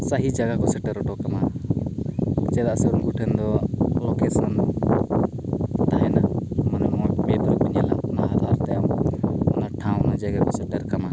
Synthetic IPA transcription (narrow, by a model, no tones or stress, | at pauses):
saɦid͡ʒaɡakɔsɛʈɛɾɔʈɔkama | t͡ʃɛd̪aʔsɛunɡuʈʰɛnd̪ɔlɔkʰɛsnanɔ | t̪aɦɛnamanamɔmɛd̪ɾɔbɔɲɛlaŋmaɦad̪aɾt̪ɛjamɔnaʈʰãw̃nad͡ʒɛɡɛkɔsɛʈɛɾkama